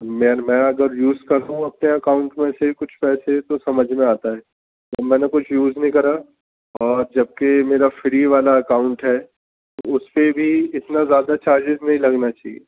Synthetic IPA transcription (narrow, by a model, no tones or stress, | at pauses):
meɾmɛ̃ːɐɡəɾjuːzkɐɾd̪ũɐp̚neɐkaːʊ̃ɳʈmẽsekʊt͡ʃʰpɛːset̪osɐməd͡ʒʱmẽaːt̪aɦɛː | t̪oɐmɛ̃ːnekʊt͡ʃʰjuːznəɦĩkɐɾa | ɔːɾd͡ʒɐb̚kemeːɾafɪɾiʋaːlaɐkaːʊ̃ɳʈɦɛː | t̪oʊspebʱiɪt̪nazjaːd̪at͡ʃaːɾd͡ʒɪznɐɦĩlɐɡnat͡ʃaːɦḭeː